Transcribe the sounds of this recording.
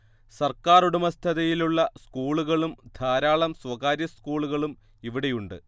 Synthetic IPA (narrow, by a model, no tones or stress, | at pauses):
sɐrkaːruɽumɐst̪ʰɐðɐjiluɭːɐskuːɭuɣɐɭumd̪ʱaːɾaːɭɐmswɐɣaːɾjɐskuːɭuɣɐɭum | iʋiɽe̞juɳɖɨ